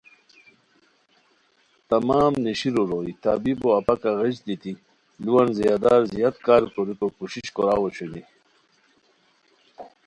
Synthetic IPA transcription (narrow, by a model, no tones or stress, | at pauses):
t̪amaːmniɕiɾuɾojt̪abiboɐpakaɣid͡ʑd̪it̪i | luwanzijad̪aːɾzijat̪kaːɾkoɾikokuɕiɕkoɾaːwoɕuni